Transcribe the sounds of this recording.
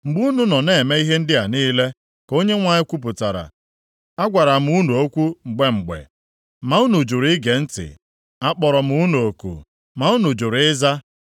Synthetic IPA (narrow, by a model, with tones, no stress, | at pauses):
ŋ͡m̩˨ɡ͡bu˦u˦nu˦nɔ˨ne˦˨e˨me˦i˦ɦe˦n̩˦dɪ˦a˨niː˦le˦ | ko˦ɲe˦ŋʷa˨ɲɪ˦kʷu˦p̬ʊ˨ta˨ɾa̰˨ | a˦ɡʷa˨ɾa˨m̩˦u˦nu˨o˦kʷu˦ŋ͡m̩˨ɡ͡be˦ŋ͡m̩˨ɡ͡bḛ˨ | ma˨u˦nu˨d͡ʒu˨ɾɡe˨n̩˦tɪ̰˨ | a˦k͡pɔ˨ɾɔ˨m̩˦u˦nu˨o˨kṵ˨ | ma˨u˦nu˨d͡ʒu˨ɾɪ˦za˦